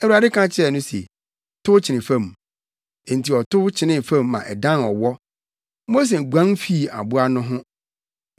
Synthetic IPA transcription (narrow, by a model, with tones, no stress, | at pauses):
ɛ˨wu˨a˨dɪ˦kʰã˦t͡ɕʰɪ˦ɛ˦˨nʊ̃˦sḛ˨ | tʰʊ˦t͡ɕʰɪ˨nɪ̃˨fã˦˨m | e˨n̩˨ti˨ɔ˨tʊ˦t͡ɕʰɪ˨nɪ̃˦fã˦˨mːã˨ʔɛ˨dã˦nɔ˨wɔ˦ | mo˦s̬e˨ɡʷã˦nfi˦˨a̰˨bʊ˦a˦nʊ̃˦ɦʊ̃˦